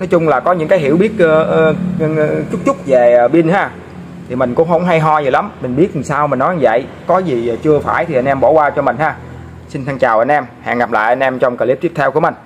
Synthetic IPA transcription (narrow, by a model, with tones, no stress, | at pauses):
nɔ˨˦jt͡ɕʊ˧ŋ͡mlaː˨˩kɔ˨˦ɲɨ̰˧˥ŋkaː˨˦jɦḭ˧˩əwɓi˦˥ət̚ː | t͡ɕʊ˦˥k͡p̚t͡ɕʊ˦˥k͡p̚ve˨˩˨ɓi˧nhaː˧ | i˨˩mï˨˩ŋ̟kʊ̰˧˥wŋ͡mɦə˧wŋ͡mɦa˧jɦɔ˧zəː˨˩jla˨˦mmï˨˩ŋ̟ɓi˦˥ət̪̚i˨˩saː˧wmi˨˩nɔ˨˦˧və̰˧˨j | kɔ˨˦zi˨˩˨t͡ɕɨ˧əfaː˧˩jt̪ʰi˨˩ʔa˧nʔɛ˧mɓo˧˩˦kwaː˧t͡ɕɔ˧mï˨˩ŋ̟haː˧ | sï˧nt̪ʰa˧ŋt͡ɕaː˨˩wʔə˧n̟ʔɛ˧mha̰ː˧˨ŋɣa˨˩p̚la̰ː˧˨jʔa˧nʔɛ˧mt͡ɕɔ˧wŋ͡mkəː˨˩li˦˥p̚t̪i˦˥ət̪ʰwkəmï˨˩ŋ̟